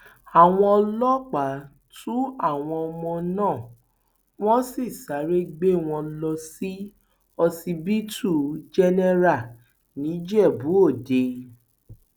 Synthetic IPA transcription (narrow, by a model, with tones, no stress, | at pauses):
a˨w̃ɔ̃˧ɔ˧lɔ˦k͡pa˨˦ | tũ˦a˦˨w̃ɔ̃˧ɔ˧mɔ̃˧nãː˦˨ | w̃ɔ̃˦si˦˨sa˨˦ɾe˦ɡ͡be˦˨w̃ɔ̃˧lɔ˧si˦ | ɔ˧si˧bi˦tu˦˨d͡ʒɛ˦nɛ˦ɾa˦˨ | nĩ˨˦d͡ʒɛ˦˨bu˨˦o˦˨de˨